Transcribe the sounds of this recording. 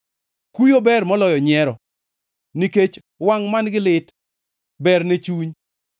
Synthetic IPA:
kujobɛrmɔlɔjɔɲɛɾɔ | niket͡ʃ | waŋmanɡɪlɪt | bɛrnet͡ʃuɲ

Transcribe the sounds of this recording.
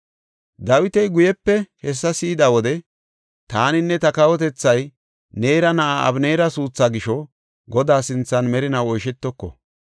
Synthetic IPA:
d̪ɐwɪt̪ɛjɡʊjɛpːɛhɛs̬ːɐsiːd̪ɐwɔd̪ɛ | t̪aːnɪnːɛt̪ɐkɐwɔt̪ɛt͡sːɐj | neːɾɐnɐʔaɐ̰bneːɾɐsuːt͡sːaːɡɪʃɔ | ɡɔd̪aːsɪnt͡sːɐnmɛɾɪnɐwɔjʃɛt̪ːɔkːɔ̰

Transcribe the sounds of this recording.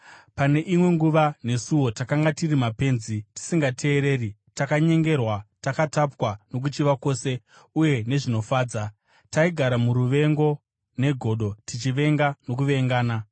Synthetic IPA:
pane̞ʔimwe̞ŋɡuʋane̞suwo̞takaŋɡatirimape̞ːnziti̥siŋɡatʰe̞ːɾe̞ːri | takaɲe̞ŋɡe̞rwatakatapwano̞k̬ut͡ʃiʋako̞ːse̞ | uje̞ne̞ʐino̞faːd͡za | taiɡʱaɾamuɾuʋe̞ŋɡo̞ | ne̞ɡʱo̞ɗo̞tit͡ʃiʋe̞ŋɡano̞k̬uʋe̞ŋɡaːna

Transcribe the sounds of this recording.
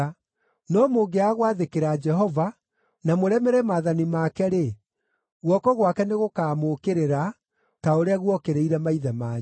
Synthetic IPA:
nɔmoɡeaɣwaðekeɾad͡ʒɛɦɔva | namoɾɛmeɾɛmaðanimaːkɛɾe | ɣwɔkɔɣwakɛneɣokaːmokeɾeɾa | taoɾeaɣwɔkeɾeiɾɛmaiðɛmaːɲ

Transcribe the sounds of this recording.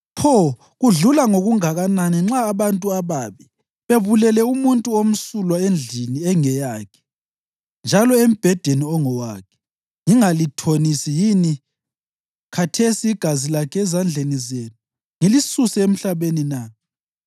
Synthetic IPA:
pʰɔ | ɣuɮulaŋoɣuŋaɣananiŋ͡ǁaːβantʼuaβaβi | βeβulɛlɛumuntʼuom̩sulwaend͡ɮʱiniɛŋɛjakʰɛ̥ | nd͡ʒʱalɔem̩b̥ʱɛd̥ʱeniɔŋɔwakʰɛ̥ | ŋiŋalitʰonisijini | kʰatʰesiːɡ̥ʱazilakʰɛɛzand͡ɮʱenizeːnu | ŋilisusɛem̩ɬaβenina

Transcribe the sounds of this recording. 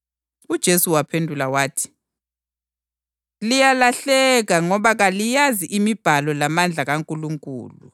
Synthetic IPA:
ud̥ʒ̥ʱesuwapʰendʱulawaːtʰi̥ | lijalaɬɛɣaŋɔβaɣalijaziʔimib̥ʱalɔlamand͡ɮʱaɣaŋkʼuluŋkʼṵːlṵ

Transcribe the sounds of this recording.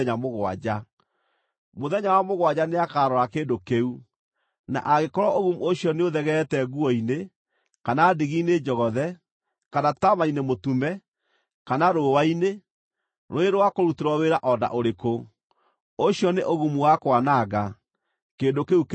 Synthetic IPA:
ɲamoɣwa̰d͡ʑa | moðɛɲawamoɣwad͡ʑaneakaɾɔɾakeːndokeu | na̰ʔaɣekɔɾɔʔoɣumuoɕjɔneoðɛɣɛtɛɣuɔine | kanadiɣiːned͡ʒɔɣɔðɛ | kanatamainemotumɛ | kanaɾowaine | ɾoeɾowakoɾuteɾwɔweɾaʔɔda̰ʔoɾeko | oɕjɔneʔoɣumuwakwanaɣa | keːndokeuk

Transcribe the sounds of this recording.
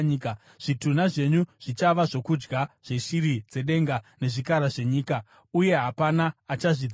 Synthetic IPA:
ka | ʐ̥itunaʐe̞ɲuʐ̥it͡ʃaʋaʐo̞kud͡ʒɡaʐ̥e̞ʃiɾid͡ze̞ɗe̞ŋɡane̞ʐikaɾaʐe̞ɲiːka | uje̞ɦapanaːt͡ʃaʐid͡z

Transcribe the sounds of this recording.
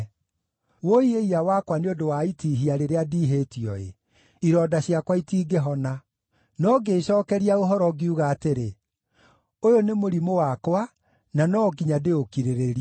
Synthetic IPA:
woieiawakwaneondowaitiːɦiaɾeɾeadiːɦetiɔḛ | iɾɔːdaɕjakwaitiːɡeɦɔna | nɔɡeːɕɔːkɛɾiaoɦɔɾɔɡiuɣaːteɾe | ojonemoɾimowakwa | nanɔɡiɲadeokiɾeɾeɾia

